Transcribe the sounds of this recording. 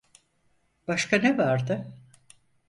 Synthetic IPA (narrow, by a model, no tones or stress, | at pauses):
b̥aʃkanevaɾd̪ɯ